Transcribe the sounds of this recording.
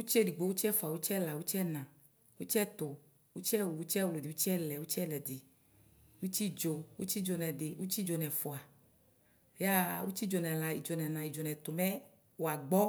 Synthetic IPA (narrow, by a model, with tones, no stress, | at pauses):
wu˦t͡ʃɛ˦di˨ɡ͡bo˨wu˦t͡ʃɛ˦fo˨a˨wu˦t͡ʃɛ˦la˨wu˦t͡ʃɛ˦nã˨ | wu˦t͡ʃɛ˦t̪ʊ˨ | wu˦t͡ʃɛ˦wu˨wu˦t͡ʃɛ˦wlo˨di˨wu˦t͡ʃɛ˦lɛ˨wu˦t͡ʃɛ˦lɛ˨dɪ˨ | wu˦t͡ʃi˦d͡ʒo˨wṵ˦t͡ʃi˦d͡ʒo˨nɛ̃˨dɪ˨wu˦t͡ʃi˦d͡ʒo˨nɛ̃˨fo˨a˨ | ja˦wṵ˦t͡ʃi˦d͡ʒo˨nɛ̃˨la˨i˨d͡ʒo˨nɛ̃˨nã˨i˨d͡ʒo˨nɛ̃˨t̪o˨mɛ˦ | wo˨a˨ɡ͡bɔ˦